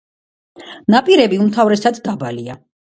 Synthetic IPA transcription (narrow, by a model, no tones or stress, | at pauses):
napʼiɾɛbiumt̪ʰavɾɛsad̪d̪abalia